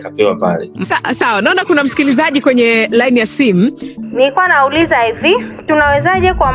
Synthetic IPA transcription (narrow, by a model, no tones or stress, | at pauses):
kapɛwapa̰lɛ̰sasawanaɔnakunam̩si̥kilizaʄikwɛɲɛlajnijasim̩nilikuwanaulizaɛvitunawɛzaʄɛkwa